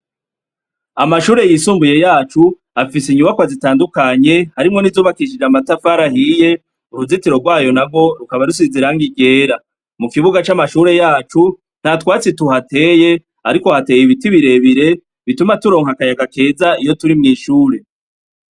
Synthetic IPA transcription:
amaʃuːɾe̞jisuːmbuje̞jaːt͡ʃu | afisiɲuβakwazitaːndukaɲe̞haɾimŋo̞nizuːβakiʃ̬id͡ʒamatafaɾahije̞ | uɾuzitiɾo̞ɡwaːjo̞nab̚ɡo̞ɾukaβaɾusiziɾaŋɡiɡe̞ːɾa | mukiβuɡat͡ʃamaʃuːɾe̞jaːt͡ʃu | n̥hatwaːt͡situɦate̞ːje̞ | aɾiko̞hate̞ːjiβitiβiɾe̞βiɾe̞ | βitumatuɾo̞ːŋhakajaɡake̞ːzaijo̞tuɾimŋiːʃuːɾe̞

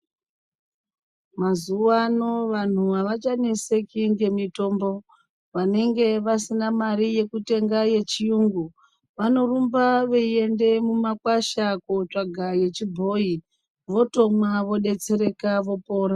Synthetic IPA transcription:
mazuwano̞ʋan̤uʋaʋat͡ʃane̞se̞kiŋɡe̞mito̞mbo̞ | ʋane̞ŋɡe̞ʋasinamaɾije̞kute̞ŋɡaje̞t͡ʃijuːŋɡu | ʋano̞rumbaʋeie̞nde̞mumakwaʃakot͡ʂaɡʱaje̞t͡ʃibʱo̞i | ʋo̞to̞mwaʋo̞ɗe̞t͡se̞ɾe̞kaʋo̞po̞ːɾa

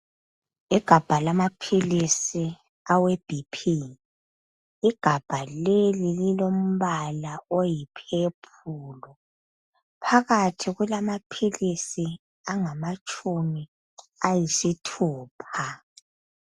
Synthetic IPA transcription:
iɡ̥ʱab̥ʱalamapʰilisi | aweb̥ʱipʰi | iɡ̥ʱab̥ʱalelililom̩βalaojipʰepʰuːlɔ | pʰaɣatʰiɣulamapʰilisi | aŋamat͡ʃʼumi | ajisitʰuːpʰa

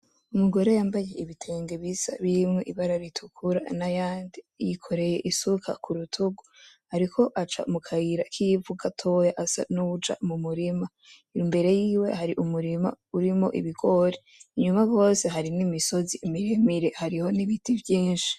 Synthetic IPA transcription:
umuɡo̞ɾe̞jaːmbaje̞ʔiβitʰe̞ːŋɡeβisa̰βiɾimŋeʔiβaɾaɾitʰukʰuɾa̰najaːndi | jikʰo̞ɾe̞je̞̰ʔisukʰa̰kʰuɾutʰuɡuhaɾikʰo̞ʔat͡ʃa̰mukʰaiɾakʰijvuɡatʰo̞jaʔasa̰nuud͡ʒa̰mumuɾima | imbe̞ɾe̞jiːwe̞̰haɾiʔumuɾima̰ | uɾimo̞̰ʔḭβiɡo̞ɾe | iɲumaɡo̞ːse̞ɦaɾinimiso̞ziːmiɾemiɾe̞haɾiho̞niβitʰivjiːnʃi̥

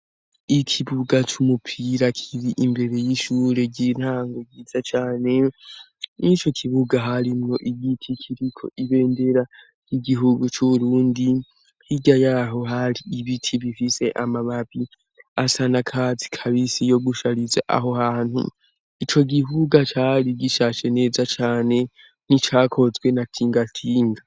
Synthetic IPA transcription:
ikʰiβuɡat͡ʃumupʰiɾakʰiɾiʔimbe̞ɾe̞jiʃuːɾe̞ɟin̥haːŋɡoɡiz̥at͡ʃaːne̞ | nit͡ʃo̞kʰiβuɡaɦaɾimŋoʔiɡitʰikʰiɾikʰo̞̰ʔiβe̞ːnde̞ɾa | j̥iɡiɦuɡut͡ʃuβuɾuːndi | hiɟajaɦo̞ɦaɾiːβitʰiβifise̞ʔamaβaβi | asanakʰazi̥kʰaβisijo̞ɡuʃaɾizaʔa̰ɦo̞haːnhṵ | it͡ʃo̞ɡiβuɡat͡ʃaɾiɡiʃaʃe̞ne̞ːzat͡ʃaːne̞ | n̥it͡ʃaːkʰo̞zɡwe̞natʰiːŋɡatʰiːŋɡa

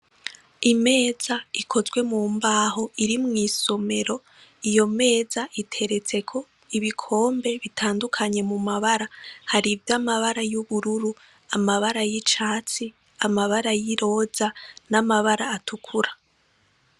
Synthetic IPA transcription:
ime̞ːzaikʰo̞zɡwe̞muːmbaːho̞ʔiɾimŋiːso̞me̞ɾo̞ | ijo̞me̞ːzaʔitʰe̞ɾe̞t͡se̞kʰo̞ | iβikʰo̞ːmbe̞βitʰaːndukʰaɲe̞mumaβaɾahaɾivjamaβaɾajuβuɾuɾu | amaβaɾajit͡ʃaːt͡si | amaβaɾajiɾo̞ːzanamaβaɾaːtʰukʰuɾa

